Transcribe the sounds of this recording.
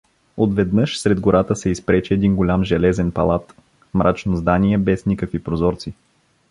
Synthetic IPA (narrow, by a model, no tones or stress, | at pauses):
ot̪vɛd̪nɤʃsɾɛd̪ɡoɾat̪əsɛispɾɛt͡ʃɛːd̪inɡolʲamʒɛlɛzɛnpɐ̰lˠat̪ | mɾʔat͡ʃnozd̪aniɛbɛsnʲikəkvipɾozɔɾt̪si